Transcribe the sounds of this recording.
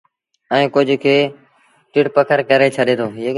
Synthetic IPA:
ə̃ːkʊd͡ʒʱkʰeː | ʈɪʈpəkʰəɾkəɾeːt͡ʃʰəɗẽːt̪ʰoː

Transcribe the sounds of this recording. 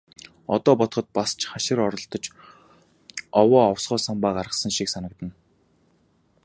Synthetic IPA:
ɔ̰t̪ɔːpɔt̪χɞ̆t̪̚past͡ɕʰχaʃɪ̆ɾɔɾɞ̆ɬt̪ɞ̆t͡ɕ | ɔwɔːɔwsɢɔːsampaːɢarʁə̆sə̆ŋʃiksanə̆k̚t̪ə̆n

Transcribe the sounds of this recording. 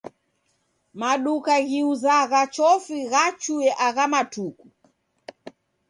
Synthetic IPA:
maɗukaɣiuzaɣat͡ʃɔfiɣat͡ʃuɛʔaɣamatuku

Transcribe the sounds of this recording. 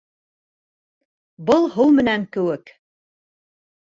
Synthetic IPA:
bɤlˠɦɤwmɘ̆næŋkɘ̆wɘk

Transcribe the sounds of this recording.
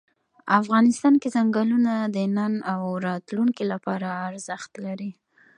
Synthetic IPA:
afɣɑnɪst̪ɑnkezaŋɡɑlunad̪ənanawɾɑt̪luŋkilapɑɾaːɾzaxt̪laɾi

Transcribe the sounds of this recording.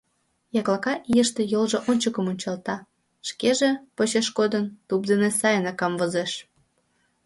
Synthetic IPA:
jɑklˠɑkɑʔijəʃt̪ejolʒoʔonʲt͡ɕəkəmonʲt͡ɕɑlt̪ɑ | ʃkeʒepot͡ɕeʃkod̪ənt̪up̚d̪enesɑjənekɑmvozeʃ

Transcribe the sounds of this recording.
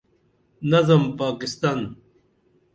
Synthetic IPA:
nɐzɐmpaːkɪst̪an

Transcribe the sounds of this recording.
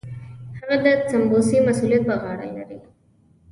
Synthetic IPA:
hɐɣɐd̪ɐt͡sɐmboːsimɐsuːlijɐt̪̚bɐɣaːɽɐ̰lɐ̰ɾi

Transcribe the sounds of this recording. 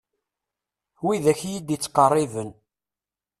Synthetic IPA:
wiðæçjid̪it͡sːqɑrˤːivən

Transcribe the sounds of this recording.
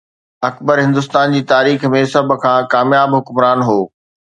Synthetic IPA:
ɐkbəɾɦɪ̃nd̪ʊs̬t̪aːnd͡ʑiːt̪aːɾiːxmẽsɐbʱʊ̆kʰãːkaːmjaːbɦʊkmɾaːnɦoː

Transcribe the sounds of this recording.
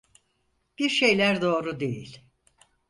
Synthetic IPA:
b̥iɾʃe̞jlʲæɾd̪o̞ːɾud̪ḛjilʲ

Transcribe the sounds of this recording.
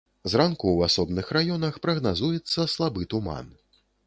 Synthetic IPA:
zrankuwasɔbnɨxrajɔnɐxpɾɐɣnazujɛt̪sːɐslˠabɨt̪uma̰n

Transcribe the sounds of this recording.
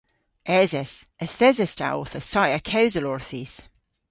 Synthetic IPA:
ɛzɛsəθɛzɛsta̰ɔ̰θəsajəkʰɛwzəlɔɹθis

